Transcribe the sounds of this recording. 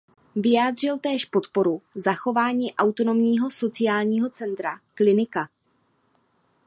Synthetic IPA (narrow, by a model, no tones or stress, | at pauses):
vɪjaːd̪r̝ɪlt̪ɛːʃpo̞t̪po̞ɾuzaxo̞vaːɲiːʔawt̪o̞no̞mɲiːɦo̞so̞t͡sɪjaːlɲiːɦo̞t͡sɛnt̪ɾaklɪnɪka